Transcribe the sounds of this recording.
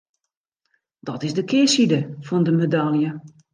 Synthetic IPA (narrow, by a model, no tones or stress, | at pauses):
dɔtɪzdəkʰɪːsidəfɔndəmedalˠjə